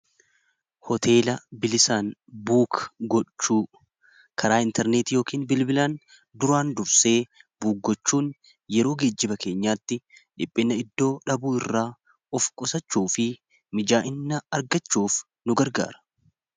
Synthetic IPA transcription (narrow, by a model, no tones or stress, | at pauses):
hɔt̪ʰe̞ːlɐbɪlɪsaːnbuːkɡɔt͡ʃːuː | kʰɐɾaːɪnt̪ɛɾneːt̪jo̞ːkiːnbɪlbɪlaːn | d̪ʊɾaːnd̪ʊɾse̞ːbuːk̚ɡɔt͡ʃːuːn | jɛɾoːɡe̞ːd͡ʒːɪbɐke̞ːɲːaːt̪ːɪᶑɪpʼːɪnːɐɪd̪ːo̞ːᶑɐbuːɪrːaː | ɔfkʼɔsɐt͡ʃːuːfɪ | mɪd͡ʒaːʔɪnːɐɐɾɡɐt͡ʃːuːf | nʊɡɐɾɡa̰ːɾɐ̥